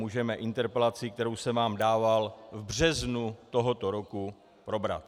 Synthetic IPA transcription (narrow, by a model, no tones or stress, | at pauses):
uːʒɛmɛʔɪnt̪ɛɾpɛlat͡sɪkt̪ɛɾowsɛvaːmdaːvalvbr̝ɛznut̪o̞ɦo̞t̪o̞ɾo̞ku | pɾo̞bɾa̰t̪